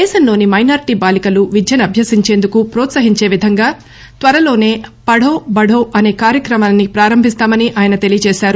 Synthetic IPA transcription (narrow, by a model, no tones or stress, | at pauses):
d̪ɛːʃɐnlo̞ːnimɐjnaːɾiʈiːbaːlikɐluʋid͡ʒjɐnɐbʱjɐsiɲt͡ʃe̞ːnd̪ukupɾɔːt̪sɐɦiɲt͡ʃe̞ːʋid̪ʱɐŋɡaː | t̪ʋɐɾɐlo̞ːne̞ːpɐɽʱoːbɐɽoːʔɐne̞ːkaːɾjɐkɾɐmaːnːipɾaːɾɐmbʱist̪aːmɐniʔaːjɐnɐt̪e̞lijɐt͡ʃɛːʃaːɾu